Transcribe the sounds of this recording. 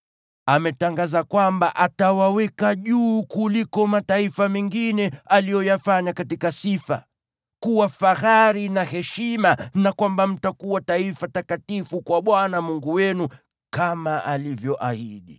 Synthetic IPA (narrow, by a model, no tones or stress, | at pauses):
amɛtaŋɡazakwambaʔatawawɛkaʄuːkulikɔmataifamɛŋɡinɛalijɔjafaɲakatikasifa̰ | kuwafaxaɾinahɛʃimanakwambam̩takuwataifatakatifukwaɓwanamuŋɡuwɛnu | kamaʔalivjɔʔahiɗi